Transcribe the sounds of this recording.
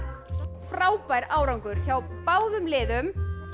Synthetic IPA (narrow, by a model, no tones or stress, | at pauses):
fɾaːwpajɾaːwɾawŋkʏɾ̥çawpaːwðʏmlɪːðʏm